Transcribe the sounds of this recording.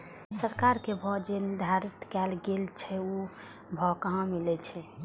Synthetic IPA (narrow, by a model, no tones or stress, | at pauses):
səɾkaɾkebʱɔd͡ʒend̪ʱaɾit̪kɛlɡelt͡ʃʰɛo | bʱɔkəɦãmilɛt͡ʃʰɛ